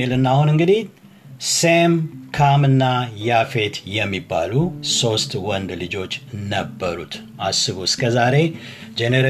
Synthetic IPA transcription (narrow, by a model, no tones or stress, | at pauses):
elɨnːaaːhunɨŋɡɨd̪i | semkʰamɨnːajafe̞t̪jɛmːibːa̰luso̞st̪wɔnd̪lɨd͡ʒo̞t͡ʃːnəbːəɾṵt̪ | asːɨβuɨskʰəzaɾe̞ | d͡ʒeneɾ